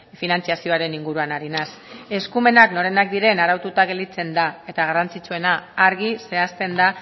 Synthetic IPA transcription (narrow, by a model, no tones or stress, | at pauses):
finant͡siasio̞aɾe̞niŋɡuɾuanaɾinas | e̞skume̞nakno̞ɾe̞nak̚d̪iɾe̞naɾawt̪ut̪aɣe̞ld̪it͡se̞nd̪ae̞t̪aɣarant͡sit͡sue̞naːɾɣise̞ast̪e̞nd̪a